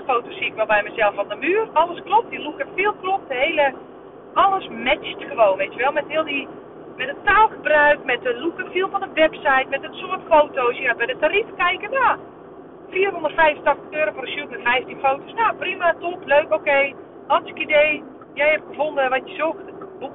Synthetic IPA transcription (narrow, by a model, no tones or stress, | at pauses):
əfoːtosiɪkʋɛlˠbɛjmɛzɛlˠfɔndəmyːərɔlˠəsklɔp̚dilukəfiəlˠklop̚dəhejlə | ʔɔlˠəsmɛt͡ʃtxəʋoːnʋetjəʋɛlˠmɛtɦiəlˠdi | mɛtətaːlˠxəbrœɥkmɛt̚dəlukəfiəlˠfɔndəʋɛpsajtmɛtəsoətfowtowsjabɛjdətaɾifkɛjkənja | fiːərɦondərtfɛjfəntɑxtəxøːɾoforəsjutmɛtfɛjftinfoːtosnoprimatopløːkokej | ɔsɪkideː | jɛjhɛp̚ɡəfondəʋɔtjəzoktbuk